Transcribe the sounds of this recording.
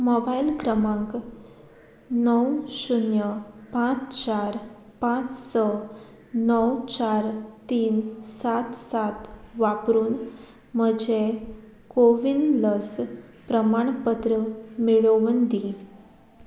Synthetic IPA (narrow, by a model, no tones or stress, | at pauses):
mobajlkɾəmãŋk | nəwsunjəpãt͡st͡ɕaɾ | pãt͡ssə | nəwt͡ɕaɾt̪iːnsat̪sat̪ʋapɾuːn | məd͡ʑe | koʋinləs | pɾəmaɳpət̪ɾəmiɭoʋənd̪i